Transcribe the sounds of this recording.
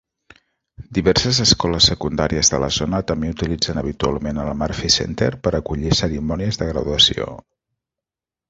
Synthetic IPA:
d̪iβɛɾsəzəskɔləsːəkund̪aɾiəzðələ̰zonət̪əmbeut̪ilid͡zənəβ̞it̪ua̰lˠmenəlmaɾfisḛnt̪ḛrpəɾəkuʎisəɾimɔniəzðəɣɾəðuəsio̰

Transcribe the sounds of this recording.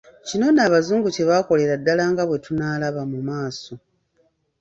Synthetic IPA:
cino̞naːβazuːŋɡuce̞βako̞le̞ɾadːalaːŋɡaβwe̞tunaːlaβamumaːso̞

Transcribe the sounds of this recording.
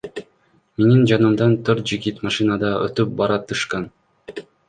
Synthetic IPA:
me̞nind͡ʒɑnɯmd̪ɑnt̪ʰøɾt̪̚d͡ʒiɡit̪mɑʃɨnɑd̪ɑʔøt̪yp̚bɑɾɑt̪ɯʃqɑn

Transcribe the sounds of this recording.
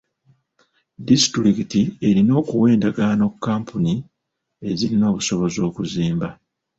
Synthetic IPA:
disi̥tɾikitie̞ɾino̞ːkuwe̞ːndaɡano̞kːaːmpuni | e̞ziɾino̞ːβuso̞βo̞zo̞ːkuziːmba

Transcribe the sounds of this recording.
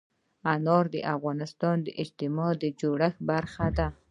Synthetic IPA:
anɑɾd̪əʔafɣɑnɪst̪ɑnd̪əʔɪd͡ʒt̪ɪmɑd̪əd͡ʒoɽaxbaɾxad̪a

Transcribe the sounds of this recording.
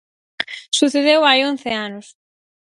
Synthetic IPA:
suθeðewajon̟θeanʊs

